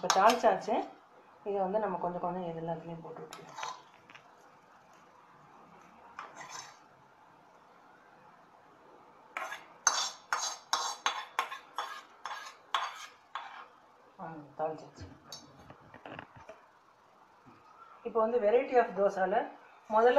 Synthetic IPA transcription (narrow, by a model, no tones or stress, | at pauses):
ɪpːoːt̪aːɻt͡ʃaːt͡ʃːɯ | ɪðɯʋɐnd̪ɯnɐmːɐkɔɲd͡ʒɔ̃kɔɲd͡ʒɔ̃ɛðɛlːãːðɐnijpoːʈːɯʋɪʈːɯkɪlãː | at̪aːlt͡ʃaːt͡ʃːɯ̥ | ɪpːoːʋɐnd̪ɯʋɛɾɐɪʈiaːfd̪oːsaːlɐ | mɔðɐl